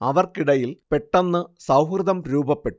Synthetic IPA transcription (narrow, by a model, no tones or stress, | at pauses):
ɐʋɐrkiɽɐjilpeʈːɐnːɨsɐwkrɨðɐmɾuːbɐpːe̞ʈːu